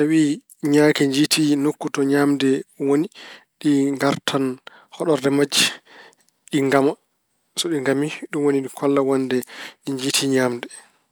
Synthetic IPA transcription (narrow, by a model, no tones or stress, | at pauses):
tawi | ɲakɛɲd͡ʒitʰinokːutɔɲaːmdɛwoni | ɗiŋɡaɾtʰan | hɔɗɔɾdɛmad͡ʒi | ɗiŋɡama | sɔɗiŋɡamiɗumwoniɗikʰɔlːawɔndɛɗiɲd͡ʒitʰiɲaːmdɛ